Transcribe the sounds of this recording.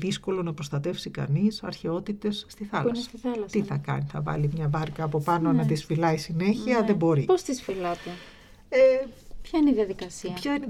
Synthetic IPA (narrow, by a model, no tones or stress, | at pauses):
ðisko̞lo̞nɐpɾo̞st̪ɐt̪e̞fsikɐ̰nisɐ̰ɾçe̞o̞t̪it̪e̞sːt̪iθɐlnsesɐ̥st̪iθɐlɐst̪iθɐkɐ̰niθɐ̰vɐ̰limɲɐvɐɾkɐːpo̞pɐno̞nɐðisfilɐisine̞çiɐðe̞bo̞ɾipost̪isfilɐt̪e | epçɐineiðiɐðikɐsiɐpçɐin